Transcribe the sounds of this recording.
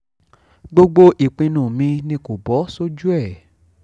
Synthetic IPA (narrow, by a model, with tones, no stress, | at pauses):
ɡ͡bo˧ɡ͡bo˧ʔi˨k͡pĩ˧nũ˨mĩ˧nĩ˧ko˨bɔ˨˦so˦d͡ʒu˦ɛ˦˨